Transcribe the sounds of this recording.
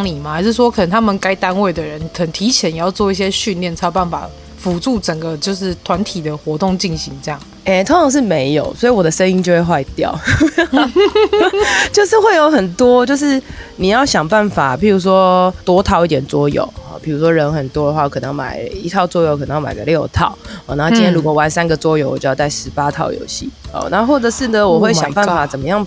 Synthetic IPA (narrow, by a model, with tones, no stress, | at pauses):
ŋli˨˩ma˨˩xa˧ɪʂ̬ɻ̩˥˩ʂ̬wɔ˥kʰə˨˩nə˧˦ŋt̪ʰa˥mə˨nka˥ɪt̪a˥nwe˥˩ɪd̪ə˩ɻə˧˦nkʰə˨˩t̪ʰi˧˥t͡ɕʰjɛ˧˦njɛ˨˩jɑ˥˧ʊt͡swɔ˥˧i˥˩ɕ̬jɛ˦˥ɕy˥˧nljɛ˥˩nt͡sʰa˥˧pa˥˩nfa̰˨˩ | fu˨˥ʈ͡ʂu˥˩ʈ͡ʂə˨˩ŋɡə˦t͡ɕjo˥˧ʊʂɻ̩˥˩t̪ʰwa˧˦nt̪ʰi˨˩d̪ə˦xwɔ˧˥t̪o˥˧ŋt͡ɕi˥˩nɕi˧˦ŋʈ͡ʂɤ˥˧jɑ˥˩ŋ | ɛ˨˩t̪ʰo˧˥ŋʈ͡ʂʰɑ˨˩ŋʂ̬ɻ̩˥˩me˧˦ɪjo̰˨˩ʊswɔ˧˥i˨wɔ˨d̪ə˦ʂə˥˦ni˥ŋnt͡ɕjo˥˧ʊxwe˥˧xwa˥˧ɪt̪jɑ̰˨ʊ | t͡ɕjo˥˧ʊʂɻ̩˥˧xwe˥ɪjo˧˥ʊxə˨˩nt̪wɔ˦t͡ɕjo˥˧ʊʂ̬ɻ̩˥˩ni˨˩jɑ˥˩ʊɕjɑ˨˩ŋpa˥˩nfa˨˩pi˨˩ɻu˧˥ʂ̬wɔ˥˦t̪wɔ˥t̪ʰɑ˥˧ʊi˩t̪jɛ˨˩nt͡swɔ˦˥jo̰˨˩˦ʊɔ̰˨˩pʰi˨˩u˧˥ʂwɔ˥ɻə˧˦nxə˨˩nt̪wɔ˥d̪ə˩xwa˥˧˩wkʰɤ˨˩nə˧˦ŋma̰˨˩ɪi˧˥t̪ʰɑ˥˧ʊt͡swɔ˥jo˨˩ʊkʰə˨˩nə˧˦jma̰˨˩˨ɡə˧ljo˥˧ʊt̪ʰɑ̰˨˩ʊɔ˨˩na˨˧˥o˥˧˩t͡ɕĩ˦nt̪ʰjɛ˥ɻu˧˥kwɔ˨˩wa˧˨˩nsa˦nɡə˨t͡swɔ˥jo˧˩ʊwɔ˨˩t͡ɕo˥˧˥t͡sa˥˩ɪʂɻ̩˧˦˥pa˦t̪ʰɑ̰˨˩ʊjo̰˧˥ʊɕḭ˥˩ɔ̰˨˩na˥˧xwɔ˥˩ʈ͡ʂə˨˩ʂɻ̩˥˩d̪ə˨wɔ˨˩xwe˥˩ɪjɑ̰˨ŋpa˥˨fa˨˦t͡sə˨˩nmə˦jɑ˥˩ŋ